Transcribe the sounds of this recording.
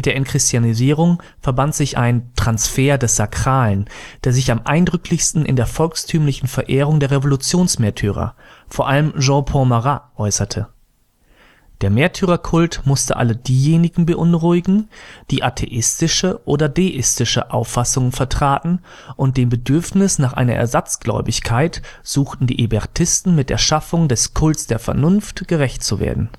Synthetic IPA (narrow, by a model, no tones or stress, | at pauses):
ɪtd̥eːɐɪnkʁ̥ɪstjaniziːʁ̞ʊŋ | fɛɐbantz̥ɪçʔa̰ɪntʁ̥ansfeːɐdɛsz̥akʁ̥aːlənd̥eːɐzɪçamʔa̰ɪndʁʏkʰlɪçstn̩ʔɪ̰ndeːɐfɔlkstʰyːmlɪçn̩fɛɐʔeːʁ̞ʊŋdeːɐʁevolut͡sjoːnsmeːɐtʰyːʁ̞ɐ̰foːɐʔaləmʒɑ̃ːpʰɔ̃maʁaʔɔʏsɐtʰə | d̥eːɐmeːɐtʰyːʁɐkʰʊltmʊstə̰ʔa̰lədiːjeːnɪɡŋ̩bəʔʊnʁʊɪɡŋ̩d̥iːʔatʰḛʔɪstɪʃəʔoːdɐdeːʔɪstɪʃə̰ʔa̰ʊfasʊŋənfɛɐtʁ̥aːtn̩ | ʔʊnt̚d̥eːmbədʏɐfnɪsnaːχʔa̰ɪnɐʔɛ̰ɐzat͡sɡ̥lɔ̰ʏbɪçkʰaɪtz̥uːxtn̩dḭːʔebɛʁtʰɪstn̩mɪt̚d̥ḛːɐʃafʊŋdɛskʰʊltsd̥eːɐfɛ̰ɐnʊnftɡ̥əʁɛçtt͡suvḛːɐdn̩